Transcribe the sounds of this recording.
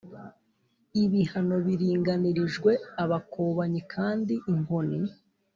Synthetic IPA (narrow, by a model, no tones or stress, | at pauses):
iβihano̞βiɾiːŋɡaniɾiʒɡwe̞aβakʰoːβaɲikʰaːndiʔːŋ̥oni